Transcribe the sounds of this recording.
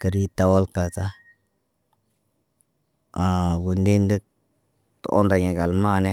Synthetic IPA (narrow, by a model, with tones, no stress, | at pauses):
ka˨ɾi˦t̪a˨wo˦lka˨ta˦ | a˨ɡu˨nd̪i˦nd̪i˦ | t̪o̰˨ʔo̰˦nd̪a˨ɲi˨ɡa˨lma˦˨ne˦